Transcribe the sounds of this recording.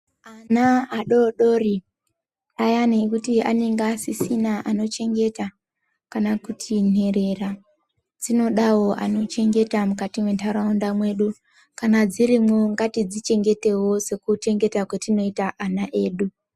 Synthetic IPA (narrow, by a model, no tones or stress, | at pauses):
anaaɗo̞ɗo̞ri | ajaneːkutianeŋɡaːsisinaʔano̞t͡ʃe̞ŋɡe̞ta | kanakutʰine̞ɾe̞ra | d͡zino̞ɗawo̞ʔano̞t͡ʃe̞ŋɡe̞tamukatimwe̞ntʰaɾaundamwe̞ɗu | kanad͡zirimwo̞ŋɡatid͡zit͡ʃe̞ŋɡe̞te̞wo̞se̞kute̞ŋɡe̞takwetino̞itaʔanaʔe̞ːɗu